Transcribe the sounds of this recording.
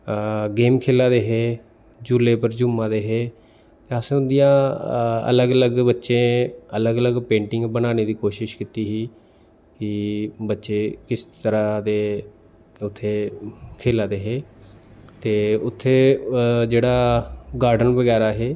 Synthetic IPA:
ɡeːmkʰeːlːaːd̪eːɦeː | d͡ʒuːleːpəɾd͡ʒʊmãːd̪eːɦeː | t̪eəsʊnd̪ijãː | ə̰ləɡələɡbətːʃẽːələɡələɡpẽːɳʈɪŋɡbənaːneːd̪iːkoːʃɪʃkɪt̪iːɦiː | kɪbətːʃeːkɪst̪əɾaːd̪eː | ʊt̪ʰːeːkʰeːlaːd̪eːɦeː | t̪eːʊt̪ʰːeːd͡ʒeːɽaːɡaːɾɖənʋəɡɛːɾaːɦeː

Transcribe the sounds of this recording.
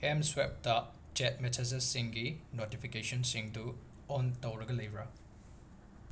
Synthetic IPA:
emswep̚tɐ | t͡ʃet̚mɛtʰɐzesːiŋɡinotipʰikesɔnsiŋdu | ɔntɐwɾɐɡɐlɐjbɾɐ

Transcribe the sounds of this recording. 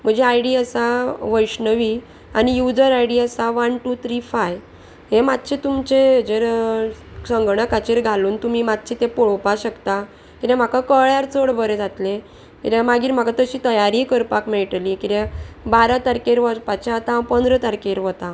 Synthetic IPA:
m̤əd͡ʑeaiɽiəsaʋəjɕnəʋi | anijud͡zəɾajɽiəsaʋənʈut̪ʰɾifaj | ɦemat̪̚t͡ɕʰet̪umt͡ɕed͡zeɾ | səŋɡɳ̃əkat͡ɕeɾɡʱaluːnt̪um̤imat̪̚t͡ɕʰit̪epoɭopaɕəkt̪a | kit̪ẽm̤akakəɭjaɾt͡soɽbəɾed͡zʱat̪le | kit̪ãmaɡiːɾm̤akat̪əɕiːt̪əjaɾikəɾpakmeɭʈlikit̪ebaɾat̪aɾkeɾʋəɾpat͡ɕat̪ãpənd̪ɾət̪aɾkeɾʋət̪ã

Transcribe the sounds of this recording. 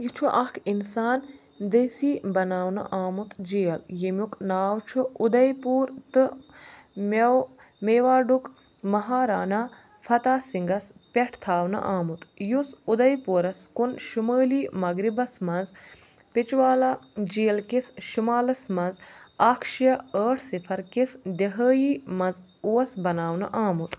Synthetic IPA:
jit͡ʃʰuʔɐkʰinsaːn | d̪eːsiːbɐnaːwnɨ̰ʔaːmut̪d͡ʒijɐljimʲjuknaːwt͡ʃʰuud̪ɐjpuːɾt̪ɨ | mɐw | meːʋaːɖuk | mɐɦaːɾaːnaː | fɐt̪aːsiŋɡɐspʲeʈʰt̪ʰaːwnɐ̰ʔaːmut̪jusud̪ɐjpuːɾɐskunʃuməːliːmɐɡɾibɐsmɐnz | pit͡ʃʋaːlaːd͡ʒiːlkisʃumaːlɐsmɐnzaːkʰʃijɐəːʈʰsipʰɐɾkisd̪eɦəːjiːmɐnz | uʋɐsbɐnaːwnɨ̰ʔaːmut̪

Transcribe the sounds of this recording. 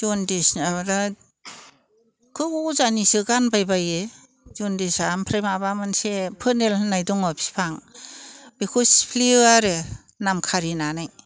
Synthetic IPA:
d͡ʒɔndisnabda | kʰɯɡuzanisɯɡanbajbaje | d͡ʒɔndisampʰɾajmabamansepʰɯnelnajdɔŋɔpʰi̥pʰaŋ | bekʰospʰliaɾe | namkʰaɾinanaj

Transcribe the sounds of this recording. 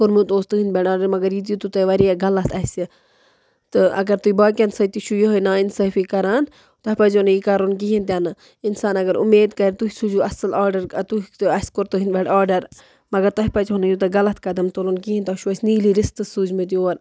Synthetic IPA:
koɾmut̪oːst̪ɨɦinbʲeʈaːɾɖɐɾmɐɡɐɾjit̪̬jut̪ut̪ɐʋɐɾiaɡɐlɐt̪ʰɐsi | t̪ɨɐ̰ɡɐɾt̪uibaːkʲɐnsɐt̪iʃujoɦonaːinsɐfikɐɾaːn | t̪ɐhʲpɐt͡ʃonɐjikɐɾoːnk̬iɦint̪̬ʲjaːnɨ | insaːnɐɡɐɾṵmeːd̪kɐɾit̪uɦisud͡ʒuɐsɐlaːɾɖɐɾt̪uiɐsʲkoɾt̪ɨɦinbʲeʈaːɾɖɐɾ | mɐɡɐɾt̪ɐɦpɐt͡ʃɦonɐjut̪ɐɡɐlɐt̪̚ʰkɐd̪ɐmt̪olonkiɦint̪ɐʃuɐsʲniːliːɾist̪ɨsuːd͡ʒmet̪̬ijoːɾ

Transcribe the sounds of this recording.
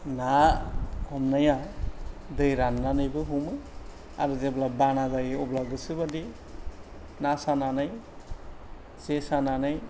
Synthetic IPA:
na | hɔmnaja | dɯjɾanːanɯjbɯɦumɯ | a̰ɾɯzeblabanazajɔblaɡɯsɯbadi | nasananɯj | zesananɯj

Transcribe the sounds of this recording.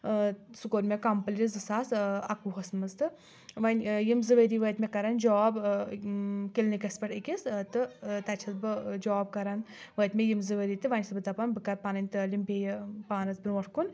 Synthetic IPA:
sukoːɾmʲekɐmpɐlʲizɨsaːsɐkuɦɐsnmɐzt̪ɨ | ʋɐnʲjimzɨʋəɾiːʋəːt̪mʲekɐɾɐnd͡ʒɔːb | kilnikʲɐspɐʈikʲist̪ɨt̪ɐt͡ʃʰɐzbɨd͡ʒɔːb̚kɐɾɐn | ʋət̪ʲmʲejimzɨʋəɾiːt̪ɨʋɐnʲsɐbɨd̪ɐpɐnbɨkɐɾpanɐnʲt̪əlʲimbʲejpaːnɐzbɨnʋɐʈʰkun

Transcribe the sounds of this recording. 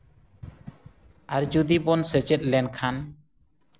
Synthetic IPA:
aɾd͡ʒud̪ibɔnsɛt͡ʃɛt̪̚lɛnkʰan

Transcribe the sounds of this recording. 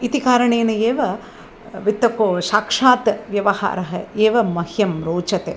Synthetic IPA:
it̪ikaːɾɐɳeːnɐeːʋɐ | ʋit̪ːɐkoːʃaːkʂaːt̪ʋjɐʋɐha̰ːɾɐɦɐeːʋɐmɐhjɐmɾoːt͡ʃɐt̪e

